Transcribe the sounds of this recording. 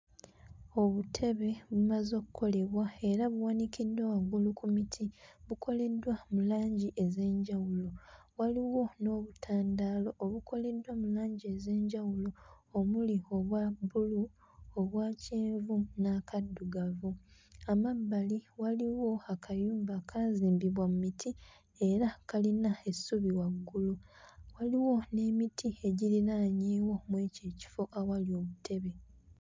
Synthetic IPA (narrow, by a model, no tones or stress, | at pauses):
o̞βutʰe̞βe̞βumazo̞ːkukʰo̞le̞βwae̞ɾaβuwanikidːowaɡulukumitʰiβukʰo̞le̞dwamulaːɲɟiʔe̞ze̞ːɲɟawulo̞waliwo̞no̞ːβutʰaːndaːlo̞ʔːβukʰo̞le̞dwamulaːɲɟieze̞ːɲɟawulo̞ː | mulio̞βwabulu | oβwaːceːɱvunakadːuɡavuamabːaliwaliwo̞akʰajuːmbakʰaziːmbiβwamumitʰi | e̞ɾakalinae̞suβiwaɡːuluwaliwo̞ne̞ːmitʰieɟiɾiɾaɲeːwo̞mweːce̞ːci̥fo̞ʔawalio̞βutʰe̞βe̞